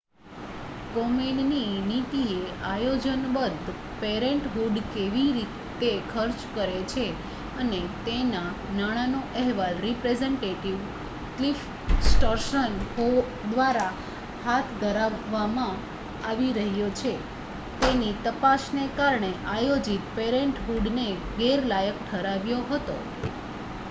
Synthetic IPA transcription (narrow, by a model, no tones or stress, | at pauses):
komelninit̪ieʔajod͡ʒənbəd̪ʱ | peɾeɳʈɦuɖkeʋiɾit̪ekʰəɾt͡ʃkəɾet͡ʃʰe | ənet̪enanaɽ̃anoʔɛɦʋalɾipɾezeɳʈeʈiʋ | klif | sʈəɾʃənɦo | d̪ʋaɾa | hat̪ʰd̪ʱəɾaʋːamã | aʋiɾəɦjot͡ʃʰe | t̪enit̪əpaʃnekaɾɳeʔajod͡ʒit̪peɾeɳʈɦuɖneɡeɾlajəkʈʰəɾaʋjoɦət̪o̰